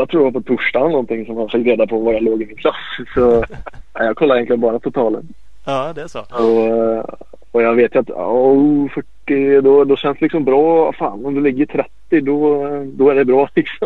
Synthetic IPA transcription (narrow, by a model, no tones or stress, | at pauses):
jat̪ʰɾuːɾjavapʰɔt̪ʰʊʂʈanɔnt̪ɪŋsɔmhanfɪk̚t̪ɾeːd̪apʰɔvajaloːɡɪmɪnkʰlasːsɔajɑːɡ̚kʰɔlːaɾɪɛnt̪lənbɑːɾat̪ʰʊt̪ʰɑːlə̰n | d̪ɛɔ | ɔjɑːɡveːt̪jʉat̪ | fœʈːɪd̪ɔd̪ɔɕɛnst̪lɪksɔmbɾɑːva̰faːnɔmd̪ɵlɪɡːət̪ʰɾɛt̪ːɪd̪ɔd̪ɔæɖɛbɾɑːlɪksɔm